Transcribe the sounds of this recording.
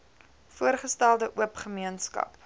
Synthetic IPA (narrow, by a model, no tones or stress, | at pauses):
fuərχəstælˠdəʔuəpχəmiənskɐ̰p